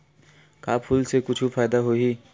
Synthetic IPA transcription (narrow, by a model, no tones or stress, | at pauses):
kaːpʰulsekʊt͡ʃʰufaːjd̪aɦoɦi